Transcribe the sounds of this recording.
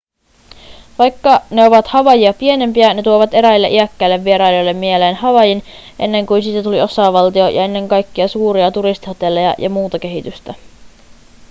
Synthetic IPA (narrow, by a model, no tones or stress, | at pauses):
ʋɑjkːɑne̞o̞ʋɑt̪hɑʋɑjiɑpie̞ne̞mpiæne̞t̪uoʋɑt̪e̞ɾæilːeʔiækːælːe̞ʋːie̞ɾɑjjojlːe̞mːmieleːnhɑʋɑjin | ʔe̞̰nːe̞ŋkujnsit̪ːæt̪ulio̞sɑʋɑlt̪iojɑe̞nːe̞ŋkɑjkːiɑsuːɾiɑt̪uɾist̪ihɑt̪e̞lːejɑ̰jʔɑ̰muːt̪ɑk̟e̞ɦit̪yst̪æ